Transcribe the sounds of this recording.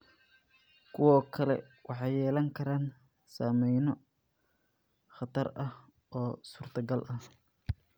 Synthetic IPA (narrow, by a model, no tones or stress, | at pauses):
kʰʊwɔːkʰɐlɛ̰ | wɑħɑjːɛːlɐŋkʰɐɾaːn | saːmɛjnɔ | χɐt̪ʰɐrɐh | ʔɔːsuːrt̪ʰɐɡɐlʔɐh